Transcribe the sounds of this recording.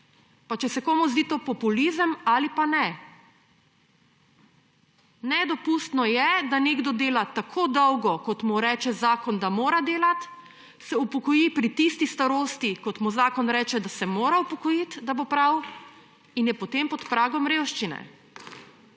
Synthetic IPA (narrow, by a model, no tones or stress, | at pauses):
pat͡ʃɛsɛkoːmuzd̪iːt̪oːpɔpulizəmaːlipanɛ | nɛd̪ɔpust̪nɔjɛd̪aneɡd̪ɔd̪eːlat̪akʰoːd̪ɔwɡɔkɔt̪muɾɛːt͡ʃɛzaːkɔnd̪amoːɾad̪eːlat̪ | sɛupɔkɔjipɾit̪ist̪ist̪aɾoːst̪ikɔt̪muzaːkɔnɾɛːt͡ʃɛd̪asɛmoːɾaupɔkɔjit̪d̪abopɾaw | injɛpɔt̪empɔt̪pɾaːɡɔmɾeːwʃt͡ʃinɛ̰